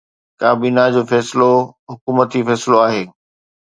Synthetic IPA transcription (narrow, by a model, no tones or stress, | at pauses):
kaːbiːnad͡ʑoːfɛːsɪloɦʊkuːmət̪ifɛːsɪloaːɦeː